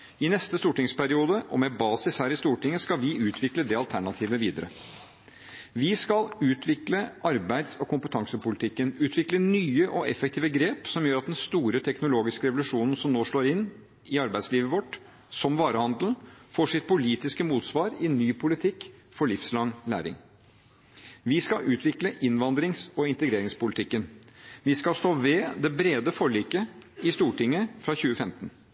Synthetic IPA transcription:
ɪnɛst̪əst̪uːʈɪŋspæɾɪuːd̪əʔɔmɛbɑːsɪshæːɾɪst̪uːʈɪŋːəskɑlʋɪʉːt̪ʰʋɪkləd̪ɛːɑlt̪ʰæɳɑt̪ʰiːʋəʋiːd̪əɾə̰ | ʋɪskɑlʉːt̪ʰʋɪkləʔɑɾbæɪd̪sɔkʰʊmpət̪ʰɑŋsəpʊlɪt̪ʰɪkːənʉːt̪ʰʋɪklənyːəʔɔɛfɛk̚t̪ʰiːʋəɡɾeːpsɔmjøːɾɑt̪̚d̪ɛnst̪uːɾət̪ʰɛknʊloːɡɪskəɾɛʋʊlʉʂuːnn̩sɔmnoːʂɭoːɾɪnː | ɪɑɾbæɪsliːʋəʋɔʈ | sɔmʋɑːɾəhɑnd̪l̩foːʂɪt̪̚pʰʊliːt̪ɪskəmuːt̪sʋɑːɾɪnyːpʰʊlɪt̪ʰɪkːfɔɭɪfslɑŋlæ̰ːɾɪ̰ŋ | ʋɪskɑʔʉːt̪ʰʋɪkləʔɪnʋɑnd̪ɾɪŋsɔɪnt̪əɡɾeːɾɪŋspʊlɪt̪ʰɪkːənʋɪskɑlst̪oːʋɛd̪ɛbɾeːd̪əfɔɭiːkəɪst̪uːʈɪŋːəfɾɑçʉːəfɛmt̪n

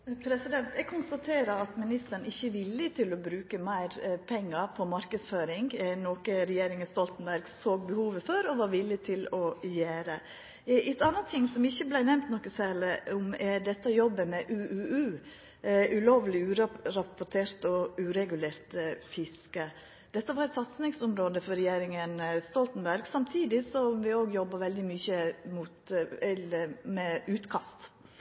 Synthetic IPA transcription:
pʰɾɛsɪd̪ɛnt̪ɛɡ̚kʰʊnst̪ɑt̪ʰeːɾəɑt̪mɪnɪst̪əɳ̩ɪçːəʋɪlːɪt̪ʰɪlɔbɾʉːkəmæɪɾpʰɛŋːəɾpʰɔmɑɾkəsføːɾɪŋɡnoːkəɾɛjeːɾɪŋənst̪ɔlt̪ənbæɾɡsoːɡ̚bəhuːʋəføɾɔʋɑɾʋɪlːɪt̪ʰɪlɔjeːɾə | ɛt̪ɑnət̪ʰːɪŋsɔmɪçːəblæɪnɛmt̪nɔkːəsæːɾlɪʊmɛɖɛt̪ːəjɔbːəmɛʔʉːʔʉːʉː | ʉloːʋlɪʉːɾɾɑpɔʈ̪ʰeːɾt̪ɔʉːɾɛɡʉleːɾt̪fɪskə | d̪̥ɛt̪ːəʋɑɾɛt̪sɑt̪snɪŋsʊmɾoːd̪əfɔɾɾɛjeːɾɪŋənst̪ɔlt̪nbæɾɡsɑmt̪ʰiːd̪ɪsɔmʋɪoːɡjɔbːəʋɛld̪ɪmyːçəmuːt̪ɛləmɛʉːt̪kʰɑst̪

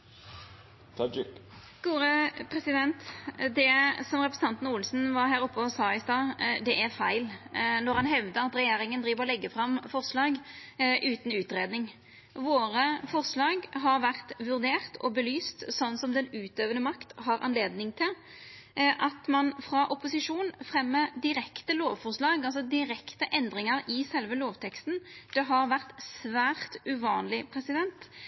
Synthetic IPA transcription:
t̪ʰd͡ʒɪk | ɡ̥uːɾəpʰɾɛsɪd̪ɛnt̪d̪ɛsɔmʁɛpɾɛsn̩ɑnt̪n̩uːlsn̩ʋɑɾɦæːɾɔpːəɔsɑːɪst̪ɑːd̪ɛʔæʁfæɪlnɔʁhɑnɦɛʋd̪əɑt̪ɾɛjeːɾɪŋənd̪ɾiːʋəʁɔlɛɡːəfɾɑmfɔʁslɑːɡʔʉːt̪n̩ʉːt̪ɾeːd̪nɪŋ | ʋoːɾəfɔʁslɑːɡɦɑɾʋæʁt̪ʋʉʁd̪eːʁt̪ʰɔ̰bəlyːst̪sɔnːsɔmd̪ɛnʉːt̪øːʋənəmɑkt̪hɑɾʔɑ̰nleːd̪nɪŋt̪ʰɪl | ʔɑt̪mɑnfɾɑʔʊpʊsɪʂuːnfʁɛmːəd̪ɪɾɛkt̪əloːʋfɔʁʂlɑːɡɑls̬ɔd̪ɪɾɛkt̪əʔɛnd̪ʁɪŋəɾɪsɛlʋəloːʋt̪ʰɛkst̪n̩d̪̥ɛɦɑʁʋæʁt̪sʋæːʁt̪ʉʋɑːnlɪpʰʁɛsɪd̪ɛnt̪

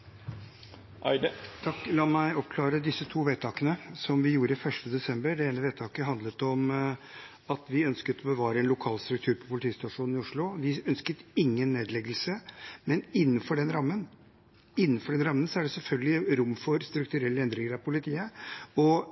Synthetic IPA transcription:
t̪ʰɑkːlɑːmæɪɔp̚kʰlɑːɾəd̪ɪsːət̪ʰuːʋeːt̪ʰɑːkənəsɔmʋɪjuːɾəɪfœʂʈəd̪ɛsɛmbəɖɛeːnəʋeːt̪ʰɑːkəɦɑnd̪ət̪ɔm | ɑt̪ʋɪœnskət̪ɔbəʋɑːɾəɛːnlʊkʰɑːlst̪ɾʉk̚t̪ʰʉːɾpʰɔpʰʊlɪt̪ʰiːst̪ɑʂuːnnɪʊʂɭʊʋɪœnskət̪ɪŋːənːeːd̪lɛɡəlsəmɛnɪnːənfɔɖɛnɾɑmːən | ɪnːənfɔɖɛnɾɑmːənsɔæɖɛsɛlfœlɡəlɪɾʊmːfɔɾst̪ɾʉk̚t̪ʉɾɛlːəɛnd̪ɾɪŋəɾɑʋpʰʊlɪt̪ʰiːəɔ

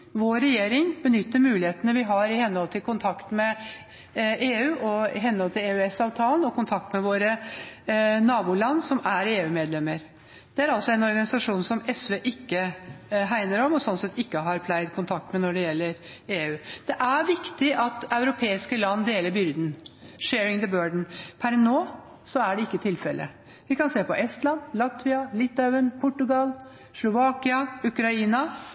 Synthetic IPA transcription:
ʋoːɾɛjeːɾɪŋbənʏt̪ːəɾmʉːlɪheːt̪ənəʋɪɦɑɾɪhɛnːhɔlt̪ʰɪlkʰʊnt̪ʰɑkt̪mɛ | eːʉːʔɔɪ̰ɦɛnːhɔlt̪ʰɪleːʉːɛsɑːʋt̪ʰɑːlənɔkʰʊnt̪ʰɑk̚t̪mɛʋoːɾə | nɑːbuːlɑnːsɔmæɾeːʉːmeːd̪lɛmːəɾ | d̪̥ɛæɾɑlsɔɛnɔɾɡɑnɪsɑʂuːnsɔmɛsʋeːʔɪkːəɦæɪnəɾɔmɔsɔnsɛt̪ːɪkːəɦɑɾpʰlæɪd̪kʰʊnt̪ʰɑk̚t̪mɛnɔɖɛjɛlːəɾeːʉːd̪̥ɛʔæɾʋɪkt̪ɪʔɑt̪ɑʉɾʊpʰeːɪskəlɑnːd̪eːləɾbʏɾd̪n̩ʂeːɾɪŋd̪əbøːɖɳ̩pʰæɾnoː | sɔæɖɛɪkːət̪ʰɪlfɛlʔə̰ | ʋɪkɑnseːpɔʔɛst̪lɑnlɑt̪ʋɪɑlɪt̪ːɑʋənpʰʊʈːʉɡɑl | slʊʋɑkɪɑʉkɾɑiːnɑ

